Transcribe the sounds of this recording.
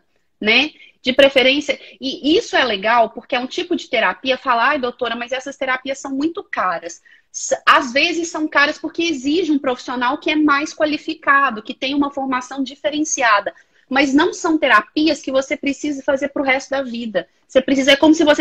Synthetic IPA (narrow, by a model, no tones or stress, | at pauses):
nɛ | d͡ʒɪpɾefeɾẽsjɐɪisʊɛleɡawpoɾkeɛũt͡ʃipʊd͡ʒɪt̪eɾapiɐfalajd̪owt̪oɾɐmɐzɛsɐst̪eɾapiɐsːɐ̃w̃mũj̃t̪ʊkaɾɐs | azvezɪsːɐ̃w̃kaɾɐspoɾkeeziʒɪũpɾofi̥sionawkɪɛmajskwalifikad̪ʊkɪt̪ẽj̃ũmɐfoɾmasɐ̃w̃d͡ʒifeɾẽsiad̪ɐ | mɐznɐ̃w̃sɐ̃w̃t̪eɾapiɐskɪvosepɾesizɐfazeɾpɾʊɦɛst̪ʊd̪ɐvid̪ɐ | sepɾes̬izɐɛkõmʊsɪvose